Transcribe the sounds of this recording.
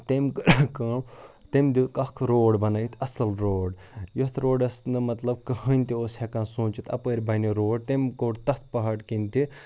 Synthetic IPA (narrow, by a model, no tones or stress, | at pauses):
t̪emʲkɐːmt̪emd̪ikɐkʰɾoːɖbɐnɐjt̪ʰɐsɐlɾoːɖjot̪ʰɾoːɖɐsnɨmɐt̪lɐb̚kɐhɐnʲt̪ioːshekãːnsũːt͡ʃit̪ʰɐ̰pəːɾʲbʱɐniɾoːɖ̚t̪emkoːɽt̪ɐt̪̚ʰpɐɦɐɽkint̪i